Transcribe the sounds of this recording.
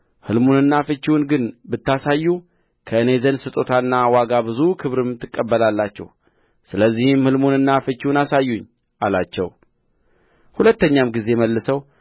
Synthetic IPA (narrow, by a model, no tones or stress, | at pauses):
hɨlmonɨnːafɨt͡ʃːiwunɡɨnbɨt̪ːasajːu | kʰəɨne̞zənsɨt̪ʼot̪ʰanːawaɡabɨzukʰɨβɾɨmt̪ʰɨkʼːəbːəlalːat͡ʃːɛ̰w | sɨləzːihɨmhɨlmonɨnːafɨt͡ʃːiwnasajːuɲː | ʔalat͡ʃːɛ̰w | hulət̪ːəɲːamɡize̞məlːɨsəw